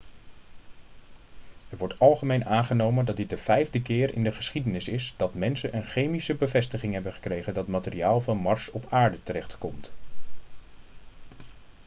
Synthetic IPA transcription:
ɛɹʋɔɹtɑlˠχəmejnaːnχənowməndɑt̚dɪt̚dəv̥ɛjvdəkɪːɹʔɪ̰ndəχəsχidənɪsɪsd̥ɑtmɛnsənʔənχejmisəbəvɛstəχɪŋɦɛbənχə̥krejχəndɑtmaːtɪriaːlˠvɑnmɑɹsɔpʰaːɹdətəɾɛχtkɔmt

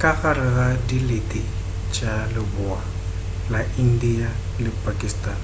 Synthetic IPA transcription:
kʼaɣaɾɪɣadiletʼi | t͡ʃʼalɪbʊa | laindialɪpʼakʼistʼaːn

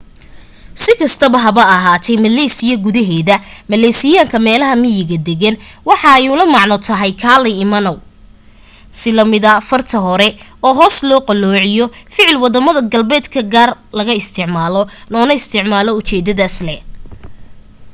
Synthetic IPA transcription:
sɪkʰɐst̪ʰɐβɐɦɐβɐɐɦaːt̪ʰɛjmɐlɛːsɪjɐɡʊðɐɦɛːðɐmɐlɛːsɪjaːŋkʰɐmɛːlɐɦɐmɪjɪɣɐd̪ɛɣɐnwɑħɑɛjʊlɐmɑʕnɔt̪ʰɐɦɛjkʰaːlɐjɪmɐnɔw | sɪlɐmɪðɐfɐrt̪ʰɐɦɔɾɛ | ɔːɦɔːslɔːqɐlɔːʕɪjɔfɪʕɪlwɑðɐmɐðɐɡɐlbɛːd̪kʰɐɡaːrlɐɣɐɪst̪ʰɪʕmaːlɔnɔːnɐɪst̪ʰɪʕmaːlɔʊt͡ʃɛːd̪ɐðaːslɛ

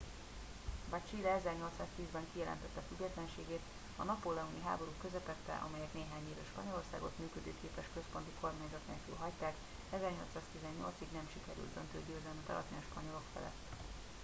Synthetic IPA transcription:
bɒt͡ʃiːlɛɛzɛrɲo̞lt̪saːst̪iːzbɛŋkijɛlɛ̰nt̪ɛt̪ːɛfyɡːɛt̪lɛnʃeːɡeːt̪ | ɒnɒpolːɛuniɦa̰ːbo̞ɾuːkø̞zɛpɛt̪ːɛ̰ʔɒ̰mɛjɛkneːɦaːɲiːvø̰ːʃpɒɲo̞lo̞rsa̰ːɡo̞̰t̪myːkød̪ø̰ːkeːpɛʃkø̞spo̞nt̪iko̞rmaːɲzɒt̪neːlky̰lɦɒct̪aːk | ɛzɛrɲo̞lt̪saːst̪izɛɲːo̞̰lt̪siɡnɛmʃikɛɾy̰ld̪d̪ønt̪øːɟøːzɛlnit̪ɛ̰lɒ̰t̪inʃpɒɲo̞lo̞kfɛ̰lɛ̰t̪ː

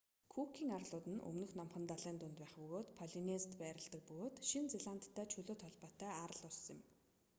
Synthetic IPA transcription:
kʰukʰiːŋarɮʊːt̪ɘ̆nʔɵ̰mnɵ̆xnamχə̆nt̪aɮæːnt̪ʊnt̪pæːχpɵɣoːt̪pʰɔɮinest̪pæːɾə̆ɮt̪ə̆k̚pɵɣoːt̪ʃint͡seɮan̥t̪ʰːæːt͡ɕʰɵɮoːt̪ʰɔɮpɔːt̪æːaɾə̆ɮʊrsɪ̆m

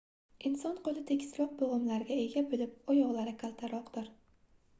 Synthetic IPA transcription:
ɪnsɒnqolˠɪt̪ʰekʲslˠɒq̚boʁɨmlaɾɡʲae̞ɡʲabɪlɪp̚ɒjɒʁlˠaɾɪkʰalˠt̪ʰaɾɒqd̪ɪɾ

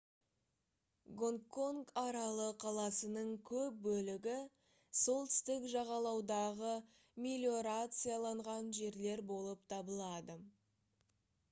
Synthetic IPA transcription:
ɡoŋkːo̞ŋkɑɾɑlˠəqʰɑlˠɑsənəɴkʲʰɵp̚bɵlɪɡʲɪ | so̞lˠt̪ʰʏ̥st̪ɪkʒɑʁɑlˠɑwd̪ɑʁə | mʲilʲjo̞ɾat̪sɨjalˠɑɴʁɑnʒe̞ɾle̞ɾbo̞lˠəpt̪ʰɑbəlˠɑd̪ə

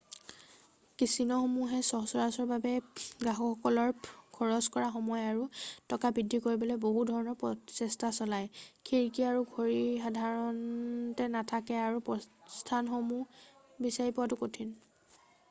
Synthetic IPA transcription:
kisinɔxomuɦɛsɔsɔɹasɔɹbabɛɡaɦɔɔkɔlɔɹkʰɔɹɔskɔɹaxɔmɔjaɹutɔkabidʱːikoɹibɔlɔboɦudʱɔɹɔnɔɹpɔsɛstasɔlajkʰiɹkiaɹuɡʱoɹiixadʱaɹɔntɛnatʰakɛaɹupɔstʰanxomu | bisaɹipʊatʊkotʰin

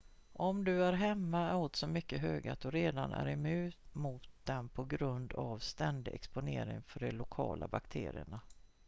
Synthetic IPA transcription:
ʔɔmd̪ɵæɾɦɛmːaot̪sɔmʏkːəɦøːɡat̪ɔɾeːd̪anʔæ̰ɾɛmʉ̟ːt̪mʊt̪̚d̪ɛnpʰɔɡɾɵnd̪avst̪ɛnd̪ɪʔɛkspʊneːɾɪŋfœɖɛlʊkʰɑːlʔabakt̪ʰeːɾɪəɳa

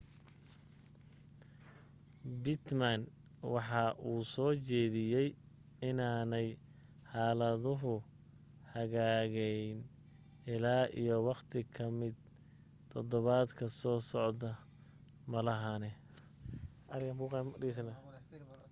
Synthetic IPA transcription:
bɪt̪man | wɑħɑʔuːsɔːt͡ʃɛːðɪjɛj | ɪnaːnɛj | ħɑːlɐðʊɦʊ | hɐɣaːɣɛjn | ɪlaːʔḭjɔwɑqt̪ʰɪkʰɐmɪd̪ | t̪ʰɔd̪ɔβaːd̪kʰɐsɔːsɔʕd̪ɐ | mɐlɐɦanɛ | ɐðɪɣɐmbuːqɑmɖiːs̬ɐnɐ

